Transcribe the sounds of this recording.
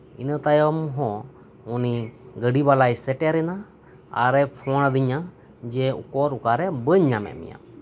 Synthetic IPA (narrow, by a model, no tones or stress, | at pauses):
inət̪ajɔmɦɔ̃ | uniɡəɖibalajsɛʈɛɾɛna | a̰ɾɛpʰɔɽ̃ad̪iɲa | d͡ʒɛṵkɔɾukaɾɛbəɲːamɛ̰ʔmḭja̰